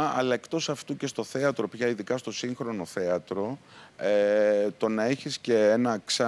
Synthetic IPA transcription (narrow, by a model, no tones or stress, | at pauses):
ɐlɐe̞kt̪o̞sɐft̪uce̞st̪o̞θe̞ɐt̪ɾo̞pçɐiðikɐst̪o̞siŋxɾo̞no̞θe̞ɐt̪ɾo̞et̪o̞nɐe̞çisce̞enɐksɐ